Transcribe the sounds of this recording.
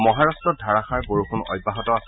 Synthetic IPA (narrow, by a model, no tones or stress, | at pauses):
mɔɦaɹastɹɔdʱaɹaxaɹboɹukʰunɔ̰jbːaɦɔtɔas